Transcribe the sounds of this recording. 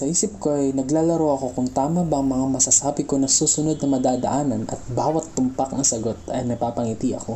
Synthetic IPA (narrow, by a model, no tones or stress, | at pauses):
sɐhiːsɪp̚koʔɐjnɐɡlaːlɐɾowɐko̞kʊŋt̪aːmɐbɐɐŋmɐŋamɐsɐsaːbɪko̞nɐsuːsʊno̞d̪̚nɐmɐd̪aːd̪ɐ̰ʔaːnɐnʔɐ̰t̪̚baːwɐt̪ːʊmpakɐŋsɐɡo̞t̪ɐjnɐpaːpɐŋit̪iʔɐ̰ko̞